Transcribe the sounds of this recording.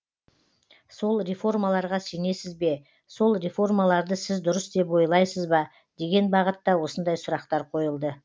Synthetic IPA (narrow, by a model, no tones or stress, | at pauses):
so̞lˠɾefo̞rmalˠɑɾʁɑse̞ne̞sɪzbe̞ | so̞lˠɾefo̞rmalˠɑɾd̪əsɪzd̪ʊɾəsd̪e̞pwo̞jlˠɑjsəzbɑ | d̪̥e̞ɡʲe̞nbɑʁət̪ːɑwo̞sənd̪ɑjsʊɾɑqt̪ɑɾqʰo̞jəlˠd̪ə